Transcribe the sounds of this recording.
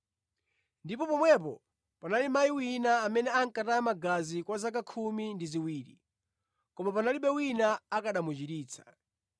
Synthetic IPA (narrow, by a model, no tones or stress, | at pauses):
ndipɔpɔmwɛp̬ɔ | panalimajiwinaːmɛnɛaŋ̩kataamaɡazikwazak̬akʰumindiziwiːɾḭ | kɔmap̬analiɓɛwinaakaɗamud͡ʒiɾiːt͡sʰḁ